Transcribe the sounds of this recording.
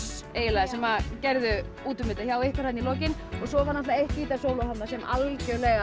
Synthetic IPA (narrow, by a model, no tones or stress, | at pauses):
eːjlaðʏsɛmːacɛɾðʏ | uːt̪ʏmɪt̪açawehkvaɾhanːilɔːcɪnɔɣsɔvaɾnaftlaehcɪiːt̪asoːwlɔhat̪nasɛma̰lcœlɛːɣa